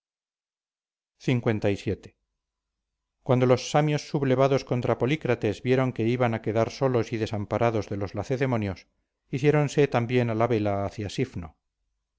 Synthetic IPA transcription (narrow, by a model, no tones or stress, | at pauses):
θiŋkwe̞nt̪ajsje̞t̪e̥ | kwand̪o̞lo̞sːamjo̞sːuβle̞βaðo̞skont̪ɾapo̞likɾat̪e̞zβje̞ɾo̞ŋke̞iβanake̞ðaɾso̞lo̞siðe̞sampaɾʔaðo̞zðelo̞zlaθe̞ðe̞mo̞njo̞s | iθje̞ɾo̞nse̞t̪ambje̞nalaβelaːθjasifno̰